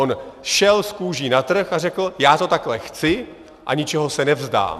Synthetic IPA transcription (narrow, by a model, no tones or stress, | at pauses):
onʃɛlskuːʒiːnat̪r̩xarɛkl̩jaːt̪o̞t̪aklɛxt͡sɪ | ʔa̰ɲɪt͡ʃɛɦo̞sɛnɛvzda̰ːm